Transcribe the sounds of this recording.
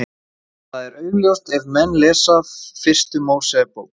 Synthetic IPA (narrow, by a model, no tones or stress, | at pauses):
θaðɛɾœːɥljowr̥t̪ɛvmɛnːlɛːsavfɪr̥st̪ʏmoːwsɛpowk